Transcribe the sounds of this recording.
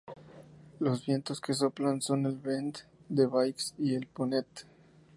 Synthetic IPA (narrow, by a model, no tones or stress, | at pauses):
lo̞zβje̞nt̪oske̞s̬o̞planso̞ne̞lβend̪d̪e̞βajksie̞lponet̪